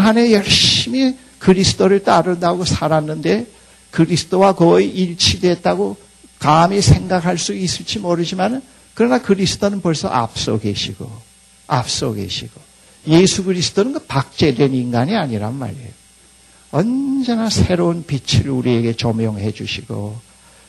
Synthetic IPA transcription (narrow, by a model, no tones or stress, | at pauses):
ɦane̞jʌɭɕɕimi | kɯɾisʰɯ̥t͈oɾɯɭt͈aɾɯndaɡosʰaɾanːɯnde̞ | kɯɾisʰɯ̥t͈owakʌiʔiɭt͡ɕʰidwe̞t̚t͈aɡo | kamisʰe̞ŋɡakʰaɭs͈uis͈ɯɭt͡ɕ͈imoɾɯd͡ʑimanɯn | kɯɾʌnakɯɾisʰɯ̥t͈onɯnpʌɭsʰʌ̰ʔa̰p̚s͈ʌ̰ɡe̞̰ɕʰiɡ̥o̰ | a̰p̚s͈ʌɡe̞̰ɕʰiɡ̥o | je̞sʰuɡɯɾisʰɯ̥t͈onɯnɡɯpak̚t͡ɕ͈e̞dweniŋɡaɲiaɲiɾa̰nma̰ɾḛjo | ʌnd͡ʑe̞nasʰe̞ɾounpit͡ɕʰiɾuɾie̞ɡe̞t͡ɕomjʌŋɦe̞d͡ʑuɕʰiɡ̥o̰